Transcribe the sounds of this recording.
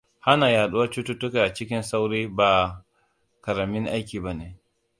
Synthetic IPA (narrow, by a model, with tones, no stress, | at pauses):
ha˦na˨jaː˨ɗu˦a˦t͡ʃu˦tu˦tʊ˦ka˨ʔa˨t͡ʃɪ˦k̬ʲɪ˦nsa˦wɾiː˦baː˨ | kɐ˨ɾa˨mɪ˦ŋʔa˦jkʲiː˨ba˦ne˨